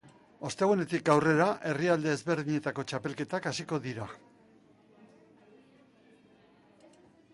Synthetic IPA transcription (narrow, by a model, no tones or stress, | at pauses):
o̞st̪eɣune̞t̪ikɡawre̞ɾaʔe̞riald̪e̞ːzβe̞ɾðiɲe̞t̪ako̞t͡ʃape̞lke̞t̪akasiko̞ðiɾa